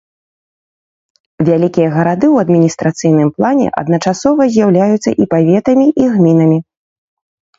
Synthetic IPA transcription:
vʲalʲikʲijɐɣɐɾad̪ɨwɐd̪mʲinʲist̪ɾat̪sɨjnɨmplˠanʲɛ̰ʔɐ̰d̪nɐt͡ʂasɔvɐzʲjawlʲajut̪sːɐ̰ʔipavʲɛt̪ɐmʲiʔiɣmʲinɐmʲi

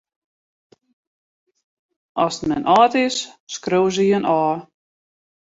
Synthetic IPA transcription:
ɔsmɛnʔɑːtɪsːkrowz̬əjənʔɔː

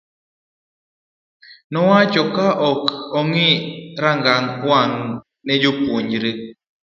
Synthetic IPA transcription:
nɔwat͡ʃɔkaʔɔkɔŋiɾaŋɡaŋwaŋ | nɛd͡ʒopwoɲd͡ʒɾe

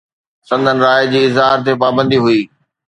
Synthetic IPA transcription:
sɐ̃nd̪ʱənɪ̆ɾaːjd͡ʑiːɪzɦaːɾt̪epaːbə̃nd̪iɦʊiː

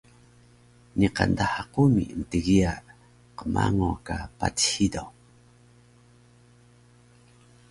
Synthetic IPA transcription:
niqandahaqumiəntəɣia | qəma̰ŋokapa̰thido

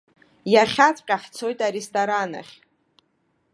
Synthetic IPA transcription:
jaχʲat͡sʼqʲʼaħt͡sʰo̞jtʼaɾestʼoɾana̰χʲ

